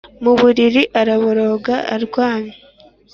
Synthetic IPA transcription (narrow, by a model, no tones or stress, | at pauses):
muβuɾiɾiʔaɾaβoɾo̞ɡaʔːɾɡwaːɲe